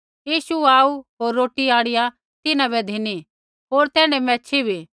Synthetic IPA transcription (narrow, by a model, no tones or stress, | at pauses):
jiːʃuaːuɦoːɾːoːʈiaːɽɪja | t̪ɪnãβɛd̪ʱɪni | ɦoːɾt̪ɛːɽ̃ɛmɛ̃ːt͡ʃʰibʱi